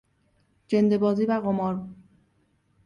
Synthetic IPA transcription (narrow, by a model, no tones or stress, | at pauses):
d͡ʒend̪e̞bɒːziːvæɣomɒːɾ